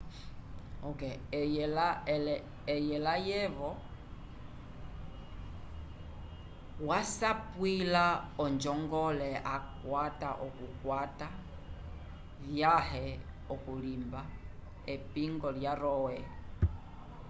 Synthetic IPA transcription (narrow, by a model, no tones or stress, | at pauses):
ɔkɛjɛlalɛː | jɛlajɛvɔ | wasapwilaɔnd͡ʒɔŋɡɔlɛʔakwataʔɔkukwata | vjahɛ | ɔkulimba | ɛpiŋɡɔljaɾɔwɛ